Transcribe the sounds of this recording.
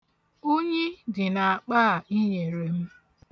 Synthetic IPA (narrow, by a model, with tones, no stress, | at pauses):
o˦ɲe˦dɪ˨na˨a˨k͡paː˦˨i˦ɲe˨ɾe˨m̩˦